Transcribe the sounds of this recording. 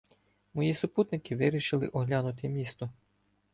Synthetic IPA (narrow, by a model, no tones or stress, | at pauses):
mɔjisʊput̪nɪkɪʋɪɾʲiʃɪlˠɪ̰ʔɔɦlʲanʊt̪ɪmʲist̪ɔ